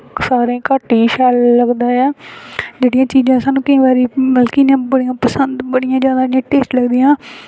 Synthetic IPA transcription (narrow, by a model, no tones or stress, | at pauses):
saːɾẽːkaːʈiːʃaːlːəɡd̪aːɛːd͡ʒeːɽɪjãːt͡ʃiːzãːsaːnũːkəĩːbaːɾiːməlkiːnãːbəɽijãːpəsənd̪bəɽijãːd͡ʒaːd̪aːɽɪãːʈeːsʈləɡd̪ijãː